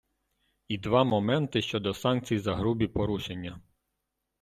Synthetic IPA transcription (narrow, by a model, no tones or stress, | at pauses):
id̪ʋɑmɔmɛnt̪ɪʃt͡ʃɔd̪ɔsɑnk̚t͡sʲijzɐɦɾubʲipɔɾuʃenʲːɐ